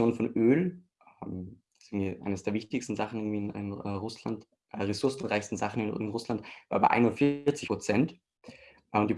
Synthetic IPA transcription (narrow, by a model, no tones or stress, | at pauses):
joːnfɔnʔøːl | ʔm̥ | ḁsʔɪɡŋ̩ndviʔa̰ɪnəsd̥eːɐvɪçtɪçstn̩zaχn̩ɪɡ̩ŋ̩v̥iːɪnɪ̰nɛʁʊsla̰nt | ʔːʁesʊɐsn̩ʁaɪçstn̩zaχn̩ɪnɪnʁʊslantvaːɐbaɪʔa̰ɪnʊntfɪɐt͡sɪçpʁ̥ot͡sɛnt | ʔʊntd̥iː